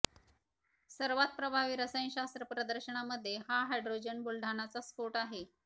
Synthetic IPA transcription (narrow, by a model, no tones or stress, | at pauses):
səɾʋat̪̚pɾəbʱaʋiːɾəsəjnɕast̪ɾəpɾəd̪əɾɕəɳ̃aməd̪ʱːjehaɦajɖɾod͡ʑənbulɖʱanat͡sasfoʈaɦe